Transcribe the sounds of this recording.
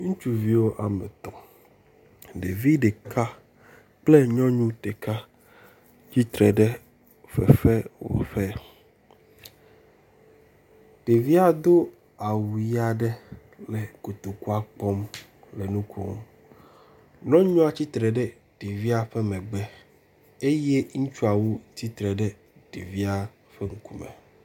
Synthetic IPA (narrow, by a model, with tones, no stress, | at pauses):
ŋũ˦t͡ʃu˨vi˦wo˦ʔa˨mḛ˨t̪ɔ̃˨ | ɖe˨vi˦ɖe˨kʰa˦ | k͡ple˦ɲɔ̃˦ɲũ˦t̪e˨ka˦ | t͡ɕi˦t̪ɾɛ˨ɖɛ˦ | ɸɛ̰˨ɸɛ˦wo̰˨ɸɛ˦ | te˨vi˦a˨d̪o˦ | a˨wu˨ja˨ɖɛ˦ | lɛ˨ko˨t̪o˨ku˦a˦k͡pɔ˦m | le˨nũ˦kʰɔ̰̃˦ŋ̰˦ | nɔ̃˦ɲɔ̃˦a˨t͡ɕi˦t̪ɾɛ˨ɖɛ˦ | ɖ̥e˨vi˦a˦ɸe˦mɛ̃˨ɡ͡bɛ˦ | e˦je˦ŋũ˦t͡ʃu˦a˨wo˦t̪i˦t̪ɾɛ˨ɖɛ˦ | ɖḭ˨vi˦a˦ | ɸɛ˦ŋ̩˦ku˦mɛ̰̃˨